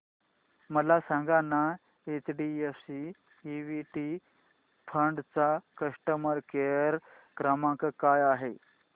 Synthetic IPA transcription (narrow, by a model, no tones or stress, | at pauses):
məlasãŋɡana | et͡sɖiefsi | iʋiʈi | pʰəɳɖt͡sakəʂʈəməɾkeɾ | kɾəmãkkajaɦe